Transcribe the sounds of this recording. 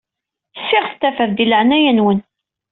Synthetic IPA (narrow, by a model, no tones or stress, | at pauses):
sːɪʁθt̪ːæfəɾd̪iləʕnæjænwən